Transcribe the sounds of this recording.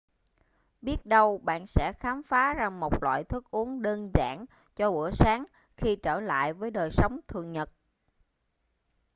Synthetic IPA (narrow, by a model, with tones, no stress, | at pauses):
ɓi˦˥ət̚ɗə˧wɓa̰ː˧˨nsɛ̰˧˥xaː˨˦mfaː˨˦za˨˩ŋmo˨˩t̚lwa̰ː˧˨jt̪ʰɨ˦˥k̚ʔu˨˦əŋɗəː˧nza̰ː˧˩n | t͡ɕɔ˧ʔṵ˧˩əsaː˨˦ŋ | xi˧t͡ɕəː˧˩la̰ː˧˨jvəː˨˦jɗəː˨˩jsə˨˦wŋ͡mt̪ʰɨ˨˩əŋɲə˨˩t̚